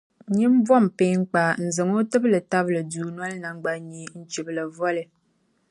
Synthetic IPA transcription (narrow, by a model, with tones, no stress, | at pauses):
ɲi˦m̩˦vɔ˦˨m˨peː˦ŋ͡m̩˦k͡pa˨n̩˨zɨ˨ŋo˦tɨ˦blɨ˨ta˦blɨ˨duː˨nwɔ˦lna˨ŋ˦ɡ͡ba˦ɲi˦n̩˦t͡ʃi˨blɨ˨vɔ˦lɨ˨